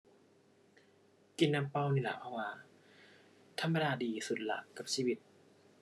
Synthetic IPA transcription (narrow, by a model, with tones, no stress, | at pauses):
ki˧nːa˧mpa˧˨wni˧˩la̰ː˨˦pʰa˧˩waː˧˦ | t̪ʰa˧mːa˧daː˧diː˨˩su˨˩t̪̚la̰˨˦kːa˨˩p̚siː˧˩wi˧t̪̚